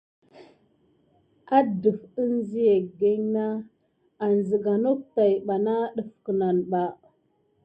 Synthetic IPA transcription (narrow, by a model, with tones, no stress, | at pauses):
a˦də˨fə˦nzi˦je˨ɡe˦ɲna˦ | a˨n˨zə˨ɡa˨no˦k̚ta˨jɓa˨na˦ɗə˨fkə˨na˨nɓa˨